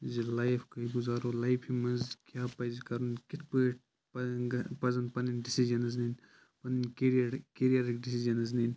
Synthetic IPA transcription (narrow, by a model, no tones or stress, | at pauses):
zilajfʰkɐiɡuzaːɾolajpʰimɐnzkʲjaːpɐjzikɐɾunkit̪ʰpueʈ̚ | pɐɡɐpɐzɐnpɐninɖisid͡ʒɐnɐznin | pɐninkiɾiɐɾkeɾijɐɾikɖisizɐnɐznin